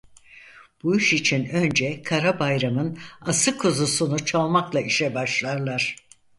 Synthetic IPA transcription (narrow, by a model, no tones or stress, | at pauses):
b̥uiʃit͡ʃʰinø̞nd͡ʒɛkʰaɾabajɾamɯnasɯkʰuzusunut͡ʃʰalˠmaklˠaiʃɛbaʃlˠaɾlˠaɾ̥